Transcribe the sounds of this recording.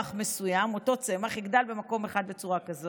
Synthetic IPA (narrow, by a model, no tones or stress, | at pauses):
aχme̞sujamo̞t̪o̞t͡semaχeɡd̪albemako̞me̞χad̪bet͡suʁakazo